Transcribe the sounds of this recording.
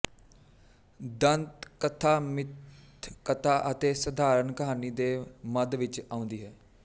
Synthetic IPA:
d̪ənt̪kət̪ʰaːmɪt̪ʰkət̪ʰaːʔət̪eːsəd̪aːɾənkəɦaːniːd̪eːməd̪ʋɪt͡ʃãːʊ̃nd̪iːɦɛː

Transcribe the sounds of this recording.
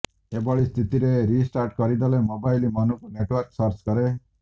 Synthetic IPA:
ebɔɭist̪ʰit̪iɾeɾisʈaɾʈ̚kʌɾid̪ʌlemobajlimʌnukuneʈwɔɾksʌɾt͡ʃɡʌɾe

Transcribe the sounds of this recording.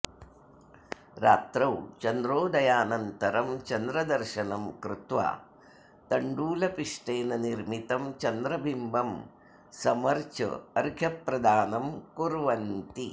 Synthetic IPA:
ɾa̰ːt̪ɾɐwt͡ʃɐnd̪ɾoːd̪ɐjaːnɐnt̪ɐɾɐmt͡ʃɐnd̪ɾɐd̪ɐɾʃɐnɐmkɾut̪ʋa̰ː | t̪ɐɳɖuːlɐpiʂʈeːnɐniɾmit̪ɐmt͡ʃɐnd̪ɾɐbʱimbʱɐm | sɐmɐɾt͡ʃɐ̰ɐɾɡʱjɐpɾɐd̪aːnɐmkuɾʋɐnt̪i

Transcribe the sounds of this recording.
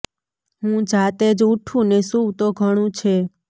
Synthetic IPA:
ɦũd͡ʒat̪ed͡ʒuʈʰũnesuwt̪oɡʱəɽ̃ũt͡ʃʰe

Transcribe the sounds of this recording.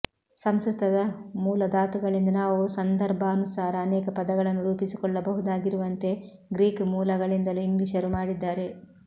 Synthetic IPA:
sɐmsɾut̪ʰɐd̪ɐmuːlɐd̪aːt̪uɡɐɭind̪ɐnaːʋusɐnd̪ɐɾbʱɐːnusaːɾɐːnɛːkɐpɐd̪ɐɡɐɭɐnːuɾuːpisikɔɭːɐbɐɦud̪aːɡiɾuʋɐnt̪e̞ | ɡɾiːkmuːlɐɡɐɭind̪ɐluiŋɡliʃɐɾumaːɽid̪ːaːɾe̞

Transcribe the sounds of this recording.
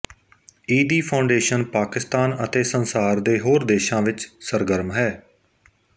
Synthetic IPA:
iːd̪iːpʰaʊ̃ɳɖeːʃənpaːkɪst̪aːnət̪eːsənsaːɾd̪eːɦoːɾd̪eːʃãːʋɪt͡ʃsəɾɡəɾmɦɛː

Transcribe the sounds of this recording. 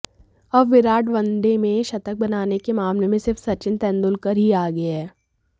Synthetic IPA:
ɐbʋɪɾaːʈʋɐ̃nd̪emẽʃɐt̪ək̚bɐnaːnekemaːmlemẽsɪɾfsɐɾt͡ʃɪnt̪ɛ̃ːnd̪ʊlkəɾɦiaːɡɐɦɛː

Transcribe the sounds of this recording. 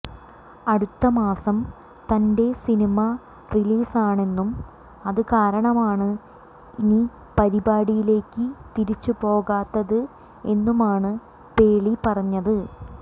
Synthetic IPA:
ɐɽut̪ːɐmaːsɐm | t̪ɐnde̞sinimɐ | riliːsaːɳe̞nːum | ɐðɨkaːɾɐɳɐmaːɳɨ | ini | pɐɾibaːɽijile̞ːkːɨt̪iɾit͡ɕːupo̞ːɣaːt̪ːɐðɨ | e̞nːumaːɳɨ | pe̞ːɭipɐrɐɲːɐðɨ

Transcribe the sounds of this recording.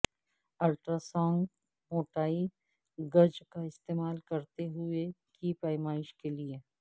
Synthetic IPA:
ɐlʈɾasɔ̃ːŋɡ | moːʈaːi | ɡɐɾd͡ʒkaɪst̪eːmaːlkɐɾt̪eɦʊekiːpaːɪmaːɪʃkelie

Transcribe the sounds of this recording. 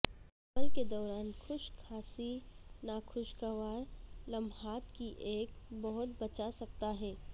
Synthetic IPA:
ɐməlked̪ɔːɾaːnxʰʊʃkʰaːsinakʰʊʃkaʋaːɾlɐ̃mɦaːt̪kiʔeːkbɐɦʊt̪̚bɐt͡ʃasɐkt̪aɦɛː

